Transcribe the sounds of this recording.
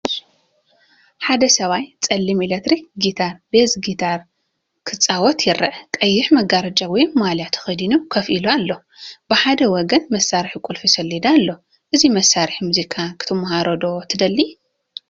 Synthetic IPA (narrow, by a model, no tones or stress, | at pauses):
ħad̪ɐsɐβajt͡sʼɐlːimilet̪ɾiɡit̪ʰaɾbezɡit̪ʰaɾ | kʰɨt͡sʼːawɔt̪jɪɾɐʔkʼɐjːɪħmɐɡaɾɐd͡ʒʼawɔjːaljat̪ʰxɐd̪inukʰɐfʔiloalːo̞ | bɨħad̪ɐwɔɡɐnmɐsːaɾħikʼulfisɐlːid̪alːo̞ | ʔɨzimɐsːaɾħimuzikʼʰakʰɨ̥t̪ʰɐmhaɾɐd̪o̞t̪ʰɨd̪ɐlːi